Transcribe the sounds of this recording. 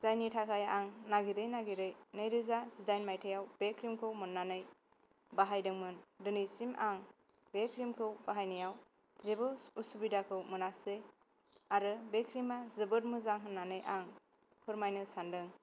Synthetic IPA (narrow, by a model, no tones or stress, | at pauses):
z̥ajnitʰakʰajaŋnaɡiɾɯjnaɡiɾɯjnɯjɾɯzazidajnmajtʰajawbekʰɾimkʰɯwmɯnːanɯj | baɦajdɯŋmɯndɯnisimaŋ | bekʰɾimkʰɯwbaɦajnijaw | zebɯusubidakʰɯwmɯnase | aɾɯbekʰɾimazɯbɯɾmɯzaŋɦɯnːanɯjʔaŋ | pʰɯɾmajnɯsandɯŋ